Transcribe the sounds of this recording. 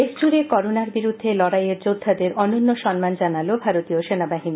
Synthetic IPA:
esd͡ʑuɾekɔɾonaɾbiɾud̪ʱːelɔɽajeɾd͡ʑod̪ʱːad̪eɾɔnonːoʃɔnmand͡ʑanalobʱaɾot̪ioʃenabaɦini

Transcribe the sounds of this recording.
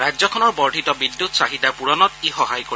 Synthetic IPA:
ɹad͡ʒzɔkʰɔnɔɹbɔɹɖʱitɔbidːutsaɦidapuɹɔnɔtixɔɦajkoi

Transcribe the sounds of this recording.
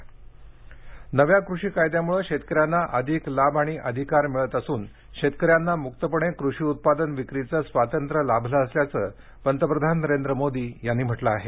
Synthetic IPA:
nəʋjakɾuʂiːkajd̪jamuɭəkʂet̪kəɾjanːaʔəd̪ʱiklabʱaɽ̃iʔəd̪ʱikaɾmiɭət̪əsuːn | kɕet̪kəɾjanːamukt̪əpəɳ̃ekɾuʂiːut̪̚pad̪ənʋikɾit͡səːsʋat̪ənt̪ɾəlabʱləəsljat͡səː | pənt̪əpɾəd̪ʱanːəɾend̪ɾəmod̪iːjanːiːm̤əʈlaːɦe

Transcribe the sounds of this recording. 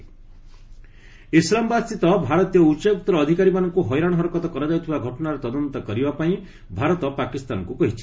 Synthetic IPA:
islambast̪it̪ɔbʱaɾɔt̪ijɔut͡ʃeut̪ːɾːd̪ʱikaɾimanɔŋkuɦɔjɾaɽ̃ɦɔɾɔkɔt̪ɔkɔɾɔd͡ʒaut̪ʰibaɡʱɔʈɔnaɾɔt̪ɔd̪ɔnt̪ɔkɔɾibapaĩ | bʱaɾɔt̪ɔpakist̪a̰nɔ̰ŋkukɔɦit͡ʃʰi̥

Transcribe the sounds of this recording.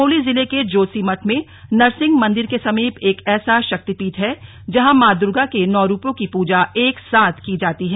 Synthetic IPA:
oːlizɪleked͡ʒoːsiːmɐʈʰmẽ | nɐɾsɪ̃ŋɡmɐ̃nd̪ɪɾkesɐmiːpeːkɛːsaʃɐk̚t̪ipiːʈɦɛ | d͡ʒɐɦãmaːd̪ʊɾɡakenɔːɾuːpõkipuːd͡ʒaeːksaːt̪ʰkid͡ʒaːt̪iɦɛː

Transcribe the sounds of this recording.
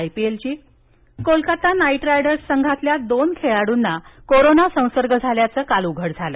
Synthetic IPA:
jpielt͡ɕiː | kolkat̪anaiʈɾajɽəɾsːəŋɡʱat̪ljad̪onkʰeɭaɽuːnːakoɾonasə̃w̃səɾɡəd͡zʱaljat͡səːkaluɡʱəɽd͡zʱalə

